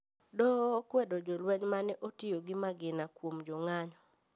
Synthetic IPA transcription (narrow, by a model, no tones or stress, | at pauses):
dɔkwɛdɔd͡ʒɔlwɛɲmanɛʔotioɡɪmaɡɪnakwomd͡ʒɔŋaɲɔ